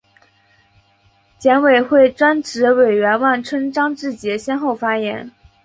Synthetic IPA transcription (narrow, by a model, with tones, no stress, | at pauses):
t͡ɕjɛ˧˥nwe˨˩ɪxwe˥˩ɪʈ͡ʂwa˥nʈ͡ʂɻ̩˧˥we˨˩ɪɥɛ˧˥nwa˥˩nʈ͡ʂʰwə˥nʈ͡ʂɑ˥ŋʈ͡ʂɻ̩˥˩t͡ɕjɛ˧˥ɕjɛ˥nxo˥˩ʊfa˥jɛ̰˧˥n